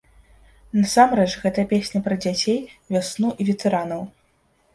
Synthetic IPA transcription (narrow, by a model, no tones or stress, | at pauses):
nɐsamɾɛt͡ʂɣɛt̪ɐpʲesʲnʲɐpɾɐd͡zʲat͡sʲejvʲasnuʔivʲɛt̪ɛɾanɐw